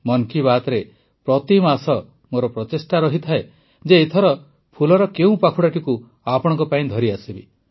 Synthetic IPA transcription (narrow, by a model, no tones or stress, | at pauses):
mɔŋkiβat̪ɔɾe | pɾɔt̪imasɔ | moɾɔpɾɔt̪esʈaɾɔɦit̪ʰae | d͡ʒeːt̪ʰɔɾɔ | pʰulɔɾɔkeũpakʰuɽaʈiku | apɔɽ̃ɔ̃ŋkɔpaĩd̪ʱɔɾiasibi